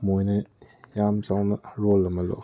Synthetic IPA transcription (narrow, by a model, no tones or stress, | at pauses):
mojnɐ | jamt͡ʃawnɐɾɔlɐmɐlo̰